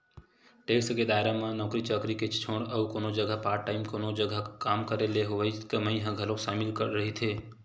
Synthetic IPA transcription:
ʈeksəked̪aːɪɾamãnɔːkɾit͡ʃəːkɾiket͡ʃt͡ʃʰoːɽəukoːnod͡ʒəɡʱapaːɾʈːaːɪmkonod͡ʒəɡʱakaːmkəɾeleɦoʋaikəməĩɦə̃ɡʱəlõʃaːmɪlkəɾɾəɦit̪ʰeː

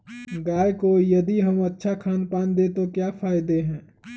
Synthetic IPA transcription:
ɡaːekojɐd̪iɦɐmɐtːʃʰakʰaːnpaːnd̪et̪okjaːfʰaːɪd̪eɦɛ̃ː

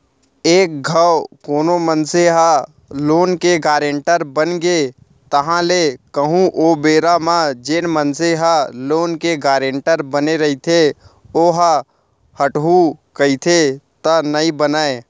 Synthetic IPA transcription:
eːk̚ɡʱawkoːnomənseɦa | loːnkeɡaːɾeɳʈəɾbənɡe | t̪əɦãlekəɦũʔoːbeːɾamãd͡ʒenmənseɦaloːnkeɡaːɾeɳʈəɾbəneɾəɦit̪ʰe | oːɦa | həʈɦukəit̪ʰet̪ənəĩbənaːe

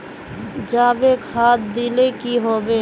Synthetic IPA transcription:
d͡ʒaːbekʰaːt̪̚d̪ɪlekiɦoːbeː

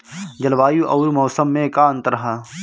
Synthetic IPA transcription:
d͡ʒɐlʋaːjuʔɐːɾmɔːsəmːẽkaə̃nt̪ɾɐɦaː

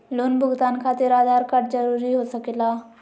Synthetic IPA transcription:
loːnbʱʊɡt̪aːnkʰaːt̪ɪɾaːd̪ʱaːɾkɐʈd͡ʒəɾuːɾiɦoːsəkelaː

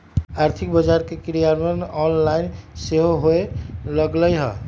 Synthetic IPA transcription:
aɾt̪ʰikbəd͡ʒaɾkekiɾijaɾmʌnɔnlainseɦoɦoelʌɡləjɦʌ

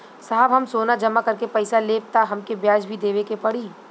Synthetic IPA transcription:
saɦbɦɐmsoːnad͡ʒɐmakɐɾkepɐɪsaleːp̚t̪aɦɐmkebjaːd͡ʒbʱid̪eːʋekepɐɽiː

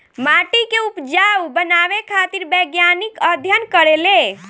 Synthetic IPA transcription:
maʈikeupd͡ʒawbənaʋekʰat̪iɾbəɡjanikəd̪ʱjənkəɾele

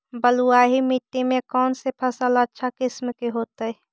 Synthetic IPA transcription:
bəluaːɦimɪʈ̪ːimẽkɔːnsepʰəsələtːʃʰakɪsmkiɦoːt̪əi

